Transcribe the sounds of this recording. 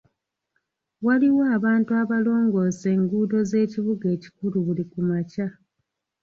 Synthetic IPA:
waliwaːβaːntuaβalo̞ːŋɡo̞ːse̞ːŋɡuːdo̞ze̞ːciβuɡe̞ːci̥kuluβulikumaca

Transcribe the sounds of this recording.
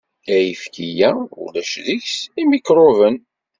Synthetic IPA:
æjəfkijæṵlæʃðiçsimikɾˤovən

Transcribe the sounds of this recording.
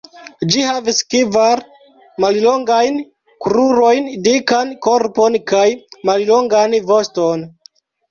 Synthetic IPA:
d͡ʒihaviskevaɾ | malloŋɡajn | kɾuɾo̞jndikankoɾponkajmalloŋɡanvosto̞n

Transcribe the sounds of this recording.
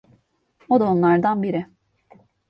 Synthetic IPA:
o̞d̪aonlˠaɾd̪anbiɾɪ

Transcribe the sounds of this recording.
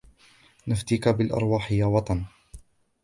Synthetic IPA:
naft̪iːkabɪlʔɑ̰ɾˤwɑːħɪjawɑt̪ˤɑn

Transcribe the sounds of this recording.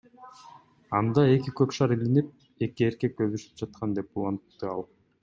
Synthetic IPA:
ɑnd̪ɑe̞kikøpʃɑɾilinip̚ | e̞kie̞ɾke̞k̚ɡøβyʃy̥p̚d͡ʒɑt̪̚qʰɑnd̪e̞pulˠɑnt̪ːɯɑlˠ

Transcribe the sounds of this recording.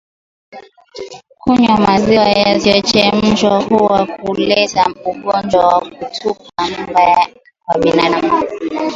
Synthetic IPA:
kuɲamaziwajaziɔt͡ʃɛm̩ʒɔhuwakʰulɛzauɡɔnd͡ʒwawak̚utʰupam̩ba | kwaɓinaɗama

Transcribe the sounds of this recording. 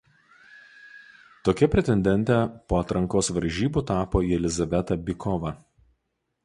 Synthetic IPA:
t̪oːkʲɛpʲɾʲɛt̪ʲɛnʲd̪ʲɛnʲt̪ʲɛpoːɐt̪ɾɐŋkoːsʋɐɾʲʒʲiːbuːt̪ɑːpoːiːɛlʲɪzɐʋʲɛt̪ɐbʲɪkʰɔʋɐ

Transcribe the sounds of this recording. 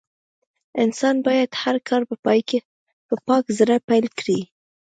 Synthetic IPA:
ɪnsɑnbɑjad̪haɾkʰɑɾpəpɑjke | pəpɑkzəɾapajlkɽi

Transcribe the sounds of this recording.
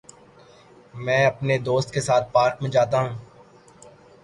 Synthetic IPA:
mɛ̃ːɐpned̪oːst̪̚kesaːt̪̚paːɾkmə̃d͡ʒaːt̪aɦũː

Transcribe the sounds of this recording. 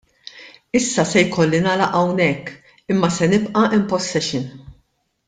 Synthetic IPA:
ɪsːɐsɛjkɔlːinɐːlɐʔɐwnɛkː | ɪmːɐsɛnɪpʔɐʔɪmpɔstːɛʃɪn

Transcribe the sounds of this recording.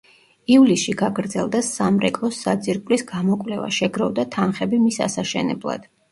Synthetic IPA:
ivlisʃiɡaɡɾd̪zɛlˠd̪asamɾɛkʼlˠɔsad̪ziɾkʼlisɡ̥amɔkʼvlɛva̰ʃɛɡɾɔvd̪at̪ʰanχɛbimisa̰saʃɛ̰nɛ̰blˠa̰d̪̥

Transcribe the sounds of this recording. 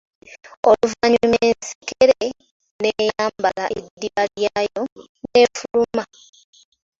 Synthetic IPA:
oluvaɲuumensi̥keɾe | nejaːmbalaʔidːiβaljajo | ne̞fuluma

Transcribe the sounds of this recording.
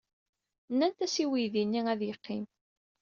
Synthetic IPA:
nːænt̪æsiwijðinːiæðjəqʰːim

